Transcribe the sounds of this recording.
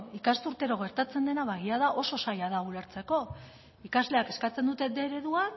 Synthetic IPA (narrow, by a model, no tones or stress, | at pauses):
ikast̪uɾt̪e̞ɾo̞ɣ̞e̞ɾt̪at͡se̞nd̪e̞naβaɣiað̞aʔo̞so̞sajaðaule̞ɾt͡se̞ko̞ | ikazle̞ake̞skat͡se̞nd̪ut̪e̞d̪e̞ɾe̞ðua